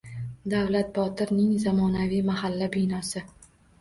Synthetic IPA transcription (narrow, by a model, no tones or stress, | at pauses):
d̪avlat̪̚bɒt̪ɪɾnɪŋzamɒnavijmahalːabɪjnɒsɪ